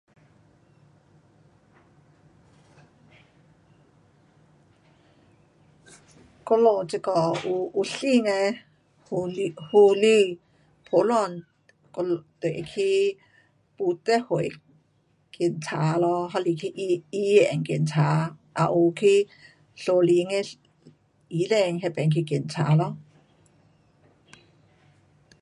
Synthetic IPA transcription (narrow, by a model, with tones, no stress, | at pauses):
kɔ˧lo˨t͡sɛ˧˨kɔ˨u˧ʔu˧ɬi˥˧˨ŋɛ˧ | hu˧li˧ | pʰo˨˦lɔ˧˨n | kɔ˧t̪e˨ʔe˨kʰi˦ | pu˧˦t̪ɛ˦he˨ | ki˨˩nt͡sʰa˨˦lɔ˧˦ɦɔ˧˦li˧˨kʰi˧˦ʔi˧˦e˨ŋki˧˨˩nt͡sʰa˨˦ʔa̰˨ʔu˨kʰi˧˦ | ɬo˧li˨˧˦ŋe˧ | i˨˦lɛ˧ŋɦe˧pɛ˨˧nkʰi˧ki˨˩˨nt͡sʰa̰˨˦lɔ˧˦